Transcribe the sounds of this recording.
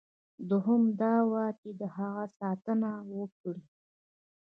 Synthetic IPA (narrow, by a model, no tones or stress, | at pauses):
d̪ʊɦʊmd̪ɑwɑt̪ed̪əhaɣasɑt̪ənawəkɽi